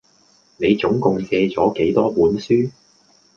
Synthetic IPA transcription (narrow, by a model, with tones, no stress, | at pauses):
ne˨˧jt͡sʊ˨˥ŋkʊ˨ŋsɛː˧t͡sɔː˨˥ke˨˥jt̪ɔː˥puː˨˥nsyː˥